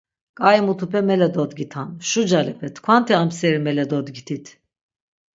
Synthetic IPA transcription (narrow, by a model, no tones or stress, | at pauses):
kʼajimut̪ʰupʰɛmɛlɛd̪ɔd̪ɡʲit̪ʰanʃud͡ʒalɛpʰɛt̪ʰkʰwant̪ʰiamsɛɾimɛlɛd̪ɔd̪ɡit̪ʰit̪ʰ